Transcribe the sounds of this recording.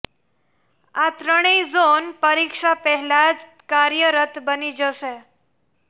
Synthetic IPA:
at̪ɾəɽ̃ezonpəɾikʂapəɦɛlad͡ʒ | kaɾjəɾət̪ʰbənid͡ʒəʃe

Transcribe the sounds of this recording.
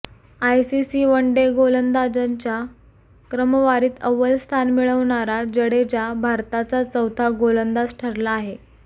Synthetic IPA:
ajsisiːʋəɳɖeɡolənd̪ad͡ʑəɲt͡ɕa | kɾəməʋaɾiːt̪əʋəlst̪ʰanmiɭəʋɳaɾad͡ʑəɽet͡ɕabʱaɾt̪at͡sat͡səwt̪ʰaɡolənd̪asʈʰəɾlaːɦe

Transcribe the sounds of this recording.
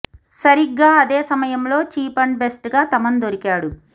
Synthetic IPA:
sɐɾiɡːaːɐd̪eːsɐmɐjɐmlo̞ːt͡ʃiːpɐɳɖbe̞sʈɡaːt̪ɐmɐnd̪oɾikaːɽu

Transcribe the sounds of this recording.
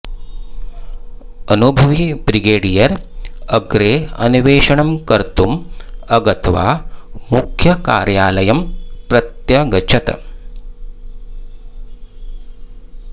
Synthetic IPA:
ɐnubʱɐʋibɾiɡeːɖijɐɾɐɡɾeːɐ̰niʋeːʃɐɳɐmkɐɾt̪umɐɡɐt̪ʋa̰ːmukʰjɐka̰ːɾjaːlɐjɐmpɾɐt̪jɐɡɐt͡ʃʰɐt̪ɐ̰

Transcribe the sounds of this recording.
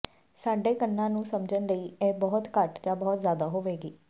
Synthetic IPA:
saːɖeːkəɳːãːnũːsəmd͡ʒənləiːɛːbɔːt̪kəʈd͡ʒaːbɔːt̪zjaːd̪aːɦoːʋeːɡiː

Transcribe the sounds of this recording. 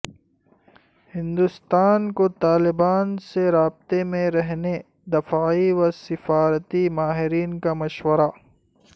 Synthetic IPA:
hɪ̃nd̪ust̪aːnkot̪aːlɪbaːnseɾaːb̚t̪emẽɾɐɦne | d̪ɐfaːiwɐsɪfaːɾt̪imaːɦɪɾiːnkamɐʃwəɾa

